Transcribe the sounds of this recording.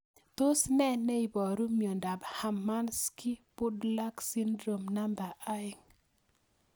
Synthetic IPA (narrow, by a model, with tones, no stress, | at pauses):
t̪o˦snɛ˦nɛ˦i˨bɔ˨ɾu˦mi˨o˨nda˨bha˨mːa˦nski˦pʊ˦dla˦ksi˦ndɾo˨mna˦mba˨ʔa˦ɪ˦ŋ